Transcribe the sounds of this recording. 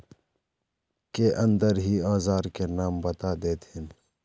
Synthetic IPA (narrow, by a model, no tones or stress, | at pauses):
keʔɐ̃nd̪əɾɦiːaːzaːɾkenaːmbɐt̪aːd̪eːt̪hɪn